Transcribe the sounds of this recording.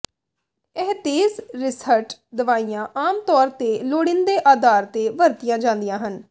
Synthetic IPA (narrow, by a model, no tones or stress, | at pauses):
ɛɦt̪eːzɾɪsəɾʈd̪əʋaːijãːʔaːmt̪ɔːɾt̪eːloːɽɪnd̪eːʔaːd̪aːɾt̪eːʋəɾt̪ijãːd͡ʒãːnd̪ijãːɦən